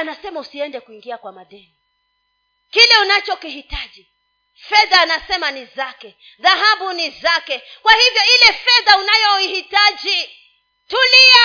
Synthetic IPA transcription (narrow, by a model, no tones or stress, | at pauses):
anasɛmausiɛndɛkuiŋɡiakwamaðɛni | kilɛunat͡ʃɔkihitad͡ʒi | fɛðaːnasɛmanizakɛ | ðaɦabunizakɛkwahivjɔilɛfɛðaunajɔihitad͡ʒi | tulia